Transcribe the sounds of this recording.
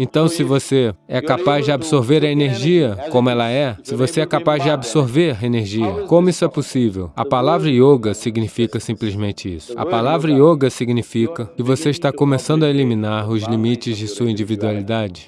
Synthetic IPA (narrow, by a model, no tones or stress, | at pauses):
ẽt̪ɐ̃w̃sɪvoseɛkapazd͡ʒɪabisoɾveɾɐeneɾʒiɐkõmʊɛlɐɛsɪvoseɛkapazd͡ʒɪabisoɾveɾeneɾʒiɐkõmʊisʊɛposivḛwɐ̰palavɾɐioɡɐsiɡnifikɐsĩplizmẽnt͡ʃɪḭsʊ̥ɐ̰palavɾɐioɡɐsiɡnifikɐkɪvoseiʃt̪akõmesɐ̃nd̪ʊɐelimĩnaɾʊzlimit͡ʃɪzd͡ʒɪsuɐĩd͡ʒivid̪ualid̪ad͡ʒɪ